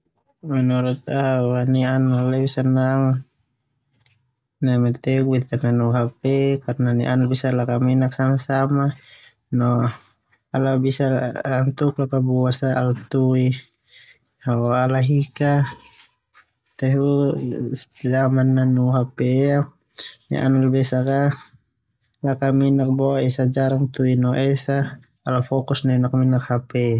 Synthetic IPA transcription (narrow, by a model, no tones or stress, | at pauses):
manɔɾut̪̚awanianalabisanːaŋ | namet̪ekubit̪ananuɦapekarnaniʔanabisalakaminaksamasama | nɔ | alabisalaŋt̪uklakabuasaalut̪ui | aalaɦika | t̪ɛɦu | zamanːanuɦapea | na̰ʔa̰nalbɛsaka | lakaminak̚bɔaɛsad͡ʒaɾaŋt̪uinɔʔɛsaː | lafɔkusnɔinak̚minakhapɛ